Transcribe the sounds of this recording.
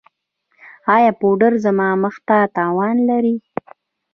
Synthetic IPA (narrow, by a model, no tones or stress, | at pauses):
ɑjɑpoɖəɾzamɑməxt̪at̪ɑwɑnlaɾi